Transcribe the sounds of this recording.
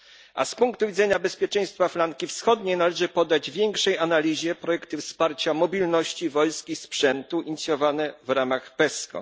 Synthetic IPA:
a̰spuŋkt̪uvʲid̪zɛɲabɛspʲjɛt͡ʂɛ̃j̃st̪faflaŋkʲifsxɔd̪ɲenalɛʐɘpɔd̪ːad͡ʑvʲjɛŋkʂɛjanalʲiʑɛpɾɔjɛkt̪ɘfspaɾt͡ɕamɔbʲilnɔɕt͡ɕivɔlskʲispʂɛnt̪uiɲit̪sʲjɔvanɛvɾamaxpɛskɔ̰

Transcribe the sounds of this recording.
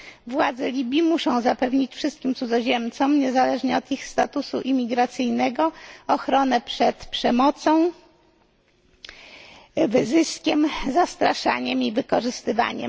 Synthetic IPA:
vwad̪zɛlʲibʲjimuʂɔ̃w̃zapɛvɲit͡ɕfʂɘst̪kʲimt̪sud̪zɔʑɛmt̪sɔmɲɛzalɛʐɲɛɔt̪ixst̪at̪usṵʔimʲiɡɾat̪sɘjnɛɡɔːxɾɔnɛpʂɛt̪pʂɛmɔt̪sɔ̃w̃ | vɘzɘskʲɛmzast̪ɾaʂa̰ɲɛmivɘkɔʐɘst̪ɘva̰ɲɛ̰m

